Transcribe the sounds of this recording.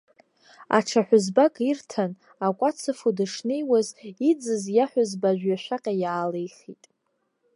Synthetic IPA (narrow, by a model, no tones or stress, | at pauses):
a̰ʈ͡ʂʰaħʷᶣʊzbakʼirtʰan | akʷʼat͡sʰɨfudɨʂnejwazid͡zɨzjaħʷʊzbaʒᶣɥaʃʷᶣaqʲʼajaːle̞jχitʼ